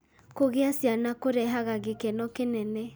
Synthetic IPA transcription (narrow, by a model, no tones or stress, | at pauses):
koɣeasjanakoɾɛɦaɣaɣekɛnɔkenɛnɛ